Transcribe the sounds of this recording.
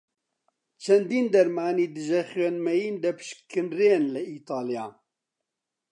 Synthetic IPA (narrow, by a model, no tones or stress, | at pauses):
t͡ʃʰɛnd̪iːnd̪ɐɾmaːniːd̪ɨʒɛxwenmɛjiːnd̪ɐpʰɨ̥ʃkʰɨnrenlɨiːt̪ɑːlijaː